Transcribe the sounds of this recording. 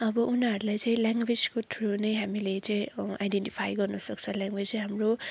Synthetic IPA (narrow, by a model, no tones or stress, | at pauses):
ʌbʌʔunaʌɾulajt͡saĩlaŋɡwed͡zkot̪ʰronʌjɦamilet͡saĩa̰jɖenʈipʰajɡʌrnʌsʌk̚t͡sʰʌljãŋɡwed͡zɦamro